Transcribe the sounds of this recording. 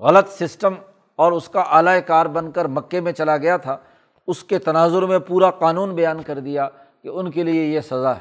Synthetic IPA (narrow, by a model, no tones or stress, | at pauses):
ɣɐlət̪sɪsʈəm | ɔːɾʊskaʔaːlaekaːɾbɐ̃nkəɾmɐkːemẽt͡ʃɐlaɡɐjat̪ʰaː | ʊsket̪ɐnaːzʊɾmẽpuːɾaqaːnuːnbɐjaːnkɐɾd̪ija | keʊnkeliejesɐzaɦɛ